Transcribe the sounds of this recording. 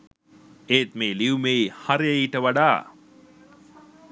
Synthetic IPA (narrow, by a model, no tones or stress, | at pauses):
eːt̪meːliumeihaɾijeiːʈəʋaɖaː